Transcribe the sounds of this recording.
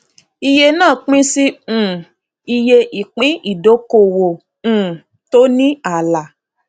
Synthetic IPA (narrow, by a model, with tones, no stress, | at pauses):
i˧je˧nãː˦˨k͡pĩ˦sĩ˦˨ | i˧je˧ʔi˨k͡pĩ˨˦i˦˨do˨˦ko˨wo˨ | ũ˨ | to˦nĩ˦a˦˨la˨